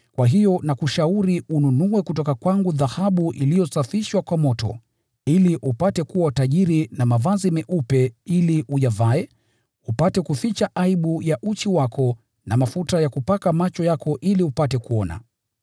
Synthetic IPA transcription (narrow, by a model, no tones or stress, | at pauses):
kwʔaɦijɔnakuʃauɾiununuwɛkutɔkakwaŋɡuðahaɓuʔḭlijɔsafiʃwakwamɔtɔ̰ | iliʔupatɛkuwataʄiɾinamavazimɛʔupɛiliʔuʄavaɛ | upatɛkufit͡ʃaʔaiɓujaʔut͡ʃiwakʰɔ | namafutajakupakamat͡ʃɔjakʰɔʔiliupatɛkuɔna̰